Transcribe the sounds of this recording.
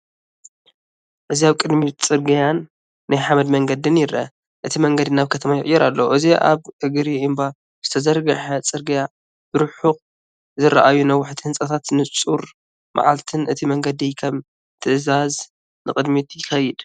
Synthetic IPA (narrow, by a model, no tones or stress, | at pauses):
ʔɨziaβkʼɨd̪mit̪t͡sʼɨɾɡɐjanː | ajħamɐd̪mɐŋɡɐd̪ɨnjɪɾʔɐ̰ | ʔɨt̪ʰimɐŋɡɐd̪inaβkʰɐt̪ʰɐmajɪʔʼjːɛɾalːoʔɨziʔa̰βɨɡɨɾiʔɨmba | z̥ɨt̪ʰɐzɐɾɡɐħɐt͡sʼɨɾɡɐja | b̥ɨɾħux | zɨɾɐ̰ʔajunɐwʊħt̪ʰihɨnsʼɐt̪ʰat̪nɨt͡sʼuɾ | mʔa̰ʕalt̪ʰɨnʔɨt̪ʰimɐŋɡɐd̪ikʰɐm | t̪ʰɨʔɨzaz | nɨkʼɨd̪mit̪jɪxɐjɪd̪̥